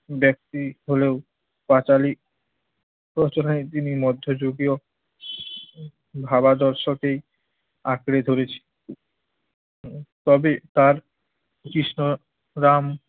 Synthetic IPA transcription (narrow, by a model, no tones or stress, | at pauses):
bɛk̚t̪iɦoleo | pat͡ɕali | pɾot͡ɕonajt̪inimɔd̪ʱːod͡ʑoɡio | bʱabad̪ɔɾʃokej | akɾed̪ʱoɾet͡ɕʰe̥ | t̪ɔbet̪aɾ | kɾiʃno | ɾam